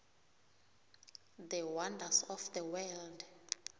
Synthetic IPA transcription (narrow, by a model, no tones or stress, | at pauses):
ðəwandasɔfðəwɛld